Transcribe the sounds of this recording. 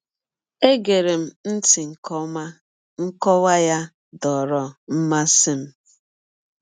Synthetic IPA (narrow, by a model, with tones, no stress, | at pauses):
e˦ɡe˨ɾe˨m̩˨n̩˦ti˨ŋ̩˨kɔ˦ma˦ | ŋ̩˦kɔ˦wa˦ja˦ | dɔ˨ɾɔ˨m̩˦ma˦si˦m̩˦